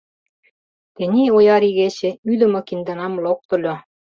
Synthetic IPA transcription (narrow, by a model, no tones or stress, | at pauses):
t̪ĕnʲiojɑɾiɣeɕɘ̆yd̪ɘ̆mɤ̆kind̪ɑ̆nɑmlok̚t̪ɤ̆lʲo